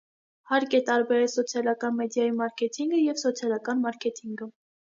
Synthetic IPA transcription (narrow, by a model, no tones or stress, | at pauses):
hɑɾkɛt̪ɑɾbɛɾɛlsɔt͡sʰjɑlɑkɑnmɛd̪jɑjimɑɾkʰɛt̪ʰiŋɡəjɛvsɔt͡sʰjɑlɑkɑnmɑɾkʰɛt̪ʰiŋɡə